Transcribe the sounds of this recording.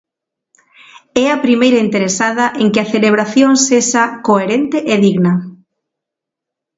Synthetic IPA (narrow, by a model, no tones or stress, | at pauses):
ɛɐpɾimejɾɐint̪eɾesaðɐʔeŋkɪɐθeleβ̞ɾaθjoŋsesakoeɾent̪ɪʔeðiɣnɐ